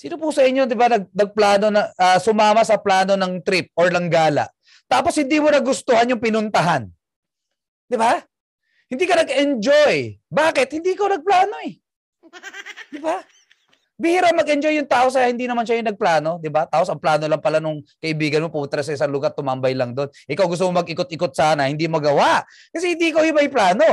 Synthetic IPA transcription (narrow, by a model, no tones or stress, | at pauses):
siːnopʊsɐʔɪɲːo̞d̪ɪbanɐɡ̚nɐɡ̚plaːno̞nɐʔɐsʊmaːmɐsɐplaːno̞nɐŋt̪ɾɪp̚ʔoɹlɐŋɡaːlɐ̰ʔ | t̪aːposhɪnd̪iːmonɐɡʊst̪ʊhanjʊŋpɪnʊnt̪ɐɦan | d̪ɪba | hɪnd̪iːkɐnɐɡʔɛnd͡ʒojbaːkɪt̪̚hɪnd̪iːʔɪkonɐɡ̚plaːno̞ʔɛ | d̪ɪba | bɪhɪɾap̚mɐɡɛnd͡ʒo̞jːʊŋt̪aːʔos̬ɐjahɪnd̪iːnɐmanʃajʊnɐɡ̚plaːno̞d̪ɪbat̪aːposɐŋplaːno̞lɐŋpɐlanʊŋkɐʔɪbiːɡɐnmo̞put̪ɾɐs̬ɐʔɪsaŋlʊɡaɾt̪ʊmambɐjlɐŋd̪o̞nʔɪkawɡʊs̬t̪ʊmomɐɡɪkot̪̚ʔɪkot̪̚saːnɐhɪnd̪iːmoɡɐwaʔ | kɐsɛhɪnd̪iːʔɪkawjɪmɐjplaːno̞